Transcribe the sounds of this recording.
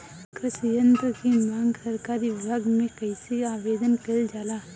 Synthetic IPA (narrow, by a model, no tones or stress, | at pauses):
kɾəʃijənt̪əkimãːŋɡsɐɾkaːɾiʋɪbʱaːɡmẽkɐisiaːʋeːd̪ənkɐld͡ʒaːlaː